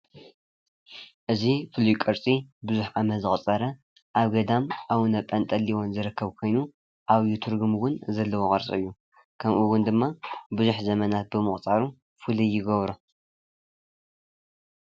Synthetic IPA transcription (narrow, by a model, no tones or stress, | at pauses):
ʔɨzifɨlujkʼɐɾt͡sʼibɨzuħʕamɐzɨχʼt͡sʼːɐɾɐ | ʔaβɡɐd̪amʔawɨnɐpʼːɐnt̪ʼɐliwo̞nzɨɾɨkʰːɐβkʰo̞jnu | ʔaβjut̪ʰɨɾɡumwʊnzɐlːɐwokʼɐɾt͡sʼɨ̰ɨjːu | kʰɐmʔuwʊnd̪ɨmːabɨzuħzɐmɐnat̪̚bɨmɨχʼt͡sʼaɾu | fulijɪɡɐβɾu